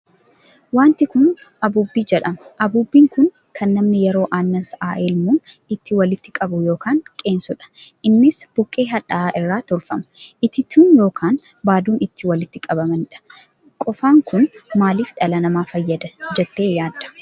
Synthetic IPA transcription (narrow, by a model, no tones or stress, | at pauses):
waːnt̪ɪkʊn | ɐbuːbːiːd͡ʒɛᶑɐmɐʔɐbuːbːiːŋkʊn | kʰɐnːɐmnɪjɛɾo̞ːʔaːnːɐsʔaːʔeːlmuːn | ɪt̪ːɪwɐlɪt̪ːɪkʼɐbʊjo̞ːkaːŋkʼe̞ːnsʊᶑɐ̥ʔɪnːɪsb̥ʊkʼːe̞ːɦɐᶑɐ̰ʔaːʔɪrːaːt̪ɔlfɐmɐ̥ʔɪt̪ːɪt̪ʰuːnjo̞ːkʰaːnbaːd̪uːnɪt̪ːɪwɐlɪt̪ːɪkʼɐbɐmɐnɪᶑɐ̥ | kʼɔfaːŋkʊnmaːliːfᶑɐlɐnɐmaːfɐjːɐd̪ɐd͡ʒɛt̪ːe̞ːjaːd̪ːɐ̥